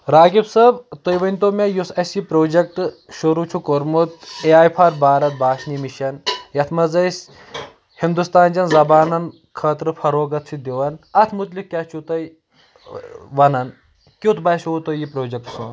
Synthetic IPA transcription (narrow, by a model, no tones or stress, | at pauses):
ɾaːɡibsɐbt̪ojʋɐnʲt̪oːmʲɐjusɐsipɾoːd͡ʒɐk̚ʈ | ʃuɾuːt͡ʃʰukoɾmut̪eaːjpʰaːɾbaːɾɐt̪̚baːʃnimiʃɐnjɐt̪ʰmɐzɐjsʲ | hind̪ust̪aːnd͡ʒɐnzɐbaːnɐn | kʰɐːt̪ɾɨfʰɐɾoːɡɐt̪t͡sʰid̪iʋɐnɐt̪ʰmut̪likkːʲɐt͡ʃʰut̪ɐj | ʋɐnɐn | kʲut̪bɐsout̪ojipɾoːd͡ʒɐk̚ʈsun